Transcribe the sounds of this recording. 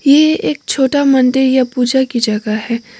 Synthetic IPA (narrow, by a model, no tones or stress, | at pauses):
jeeːk̚t͡ʃʰoːʈamɐnd̪ɪɾjapuːd͡ʒakid͡ʒɐɡaɦɛː